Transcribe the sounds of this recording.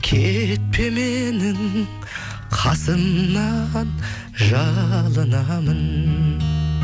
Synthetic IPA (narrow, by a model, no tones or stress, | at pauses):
kʲʰet̪̚pʰe̞me̞nɪŋ | qʰɑsəmnɑn | ʒɑlˠənɑmən